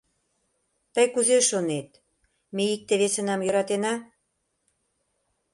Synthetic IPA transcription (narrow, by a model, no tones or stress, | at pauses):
t̪əjkuzeʃonet̪̚ | meik̚t̪eβesə̆nɑmjø̆ɾɑt̪enɑ